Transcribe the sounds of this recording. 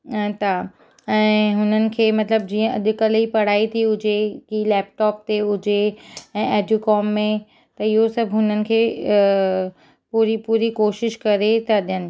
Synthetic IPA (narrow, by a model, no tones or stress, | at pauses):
t̪ʰa | ɛ̃ːɦʊnənɪ̆kʰeːmɐt̪ləb̚d͡ʑiːə̃ɐ̰ʄʊ̆kəlipɐɽ̤aːit̪ʰiʊd͡ʑekilɛːp̚ʈɔːp̚t̪eʊd͡ʑeɛ̃ːʔɐɖʱʊkɔːmːẽ | t̪ɐɪɦosɐbʱɦʊnənɪ̆kʰeː | puːɾipuːɾikoːʃɪʃkɐɾet̪ɐɗijənɪ̆